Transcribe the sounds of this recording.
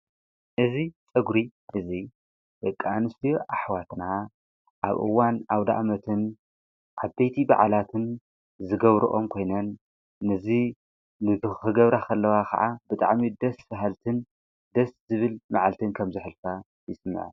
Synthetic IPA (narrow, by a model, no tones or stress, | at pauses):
ʔɨzit͡sʼɐɡɾiʔɨzi | b̥ɐkʼːaanɨst̪ʰijʔaħwat̪na | ʔa̰βʔɨ̰wːanawd̪a̰ʔmɐt̪ʰɨn | ʔabejt̪ʰiba̰ʕalat̪ʰɨn | zɨɡɐβɾuʔo̞mkʰo̞jnɐnː | ɨzi | nɨt̪ɨxɨɡɐβɾakʰɐlːɐwakʰɐ̰ʕabɨt̪ʼa̰ʕmid̪ɐsfɐɦalt̪ʰɨn | d̪ɐszɨβɨlmaʕalt̪ʰɨnkʰɐmzɨħɨlfa | jɪsɨmːɨ̰ʕ